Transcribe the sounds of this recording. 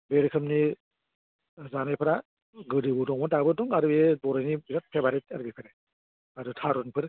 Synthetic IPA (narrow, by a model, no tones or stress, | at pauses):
beɾkʰɯmni | zanajpʰɯɾa | ɡɯdɯbudɔŋmɔdabɯdɔŋaɾɯedɔɾajnibiɾat̚pʰebaɾetaɾɯbipʰaɾe | aɾɯtʰaɾɔnpʰɯɾ